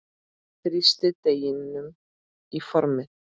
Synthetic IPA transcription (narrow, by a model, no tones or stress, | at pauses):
θɾɪst̪əd̪̥ɛjɪnːʏm | ifɔɾmɪ